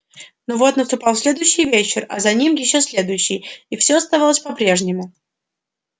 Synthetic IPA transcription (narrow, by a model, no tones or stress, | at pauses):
novo̞t̪nəst̪ʊpɑlˠsʲlʲed̪ʊjʊɕːɪjvʲet͡ɕɪrɐ̰zɐnʲimjɪɕːosʲlʲe̞d̪ʊjɕːɪjifsʲoɐst̪ɐvalˠəsʲpɐpɾʲe̞ʐnʲɪmʊ